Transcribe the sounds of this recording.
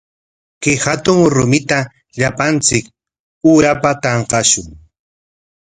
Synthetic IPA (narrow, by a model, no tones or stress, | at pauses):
kɪhat̪ʊŋɾʊmɪt̪a | ʎapant͡sɪk | uɾapat̪ɑɴqɑʃʊŋ